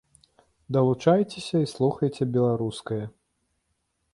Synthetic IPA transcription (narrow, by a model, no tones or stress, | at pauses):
d̪ɐlˠut͡ʂajt͡sʲesʲɐislˠuxɐjt͡sʲɛbʲɛlˠaɾuskɐjɐ